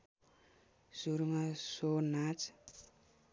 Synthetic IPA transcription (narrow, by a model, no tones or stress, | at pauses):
suɾuŋasonat͡s